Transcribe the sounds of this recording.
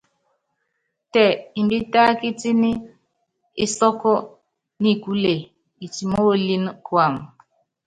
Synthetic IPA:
tɛ˨i˨bi˦ta˦ki˦ti˦nɪ˦ | ɪ˨sɔ˦kɔ˦ | ni˦˨ku˦le˨ | i˨ti˨mo˦˨li˦n˦kwa˨m˨

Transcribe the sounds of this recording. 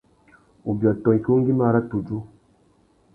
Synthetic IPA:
u˨bi˨a˨tɔ˨i˨ki˦o˦ŋ˦ɡi˦ma˦ɾa˦tu˨d͡ʒo˦

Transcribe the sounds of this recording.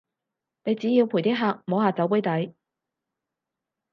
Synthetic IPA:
ne˨˧jt͡siː˨˥ji˧wpʰu˨˩jt̪iː˥ɦaː˧k̚moː˨˥ɦaː˨˧t͡sɐ˨˥wpu˨˥jt̪ɐ˨˥j

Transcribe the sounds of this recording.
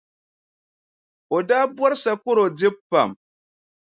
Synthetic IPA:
o˨da˦bɔ˦ɾsa˨ku˦ɾo˨d͡zi˦pːa̰˨m

